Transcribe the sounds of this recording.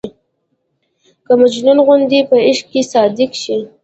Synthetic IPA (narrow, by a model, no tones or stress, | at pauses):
kəmad͡ʒnunɣʊnd̪ipəɪʃkesɑd̪ɪkʃi